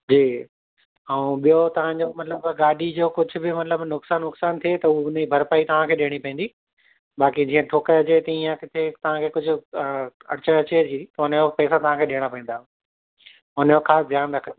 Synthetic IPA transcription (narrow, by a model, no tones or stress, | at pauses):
d͡ʑiː | ɛũɓijot̪ɐʋ̤ãɲd͡ʑoːmɐt̪ləbɡaːɖʱid͡ʑoːkʊd͡ʑʱʊ̆bɪmɐt̪ləbnʊksaːnːʊksaːnt̪ʰiet̪ɐuʊnibʱɐɾpaːit̪ɐʋ̤ãkʰeːɗɪɽ̃ipɐ̃ĩːn̆d̪iː | ɓaːkid͡ʑĩːə̃ʈʰoːkəɐt͡ɕet̪ɐĩːãkɪt̪ʰet̪ɐʋ̤ãkʰeːkʊd͡ʑʱʊ̆ | ɐɾɪt͡ɕəɐt͡ɕed͡ʑit̪ɐʊnjopɛːsat̪ɐʋãkʰeːɗɪːəɽ̃apɐ̃ĩn̆d̪aːɦ | ʊnəjoxaːsd̪ʱjaːnɾɐkʰə̃n